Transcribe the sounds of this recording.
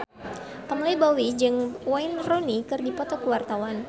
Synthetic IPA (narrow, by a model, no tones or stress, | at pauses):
p̪əmlibɔwid͡ʒɨŋwajnronikɨrdipɔt̪ɔkəwart̪awan